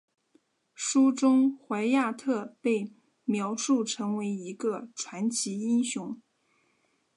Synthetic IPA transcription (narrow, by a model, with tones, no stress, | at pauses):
ʂu˥ʈ͡ʂʊ˥ŋxwa˧˥ɪja˥˧t̪ʰɤ˥˧pe˥˩ɪ | mjɑ˧˥ʊʂu˥˩ʈ͡ʂʰɤ˧˥ŋwe˧˥ɪi˧˥ɡə˧ʈ͡ʂʰwa˧˥nt͡ɕʰi˧˥i˥nɕjʊ˧˥ŋ